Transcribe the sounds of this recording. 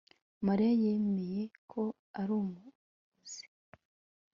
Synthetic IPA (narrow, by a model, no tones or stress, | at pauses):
maɾaje̞me̞je̞kʰo̞ | aɾuːmu | z̥i̥